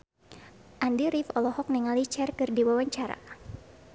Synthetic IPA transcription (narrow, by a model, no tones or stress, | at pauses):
ʔandiɾifɔlɔhɔk̚nɛŋalit͡ʃɛrkɨrdiwawaɲt͡ʃaɾa̰